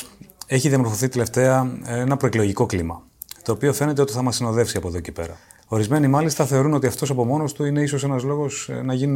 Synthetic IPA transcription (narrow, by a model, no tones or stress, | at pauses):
e̞çiðijɐmo̞ɾfo̞θit̪ele̞ft̪e̞ɐenɐpɾo̞eklo̞ʝiko̞klimɐ | t̪o̞ːpio̞fe̞ne̞t̪eo̞t̪iθɐmɐsino̞ðe̞fsiɐpoðocipe̞̰ɾɐ̰ | o̞ɾizme̞nimɐlist̪ɐθe̞o̞ɾuno̞t̪iɐft̪o̞sɐpo̞mo̞no̞st̪uine̞iso̞se̞nɐzlo̞ɣosnɐʝinu